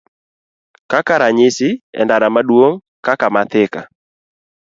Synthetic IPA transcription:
kakaɾaɲɪsɪɛ̰ndaɾamadwoŋ | kakamat̪ɪka̰

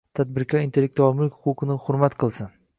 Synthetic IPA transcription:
t̪ʰad̪̚bɪɾkʲʰɒint̪ʰe̞lʲːek̚t̪uɒmɪlkʲhʊ̥qʊqʰɨnɪhʊɾmat̪qʰɨlˠsɪn

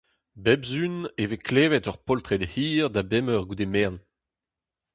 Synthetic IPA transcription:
bɛbzynevekʰleːvɛtɔʁpɔlt̪ʁɛd̪hiːʁd̪abɛmœʁɡud̪emɛʁn

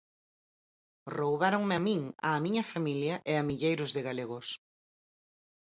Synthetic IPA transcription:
rowβaɾoŋmɪamĩŋa̰ːmiɲɐfamiljɐʔɪamiʎejɾʊzðɪɣaleɣʊs

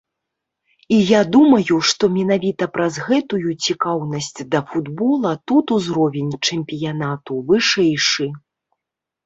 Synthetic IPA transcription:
ijad̪umɐjuʂt̪ɔmʲɛnavʲit̪ɐpɾɐzɣɛt̪ujut͡sʲikawnɐsʲt͡sʲd̪ɐfud̪bɔlˠɐt̪ut̪uzɾɔvʲɛnʲt͡ʂɛmʲpʲijanat̪uvɨʂɛjʂɨ

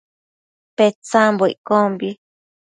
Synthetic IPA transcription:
pet͡sãmboḭʔkombi

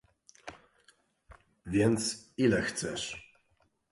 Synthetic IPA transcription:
vʲjɛnt̪silɛxt̪sɛʂ

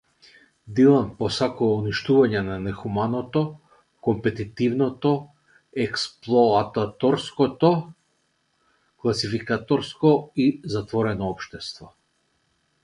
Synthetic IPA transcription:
d̪ilˠanpɔsakuvauniʃt̪uvaɲɛnanɛxumanɔt̪ɔ | kɔmpɛt̪it̪ivnɔt̪ɔ | ɛksplˠɔat̪at̪ɔɾskɔt̪ɔ | klˠasifikat̪ɔɾskɔizat̪vɔɾɛnɔɔpʃt̪ɛst̪vɔ

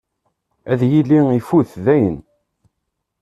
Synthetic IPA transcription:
æðjilːiifuθðæjən

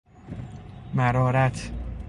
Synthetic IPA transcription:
mæɾɒːɾæt̪ʰ

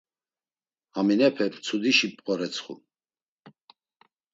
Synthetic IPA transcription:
aminɛpʰɛpt͡sʰud̪iʃipʼqʼɔɾɛt͡sʰχṵ

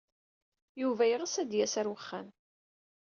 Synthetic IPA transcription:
juvæjəʁəsæd̪jæsæɾwəχːæn

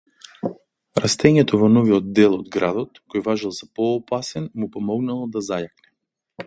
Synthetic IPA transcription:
ɾast̪ɛɲɛt̪ɔvɔnɔviɔd̪̚d̪ːɛlˠɔd̪ɡɾad̪ɔt̪kɔjvaʒɛlˠzapɔːpasɛnmupɔmɔɡnalˠɔd̪azajaknɛ

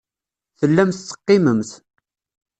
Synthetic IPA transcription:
θəlːæmθt͡sːə̥qːɪməmθ

